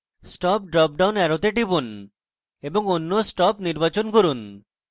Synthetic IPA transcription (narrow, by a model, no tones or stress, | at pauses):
sʈɔp̚ɖɾɔp̚ɖawnɛɾot̪eʈipun | eboŋonːosʈɔpniɾbat͡ɕonkoɾun